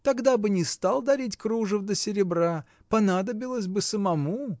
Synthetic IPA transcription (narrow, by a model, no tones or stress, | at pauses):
t̪ɐɡd̪abɨnʲɪst̪alˠd̪ɐɾʲitʲkɾuʐəfd̪əsʲɪɾʲɪbra | pɐnad̪əbʲɪlˠəsʲbɨsəmɐmu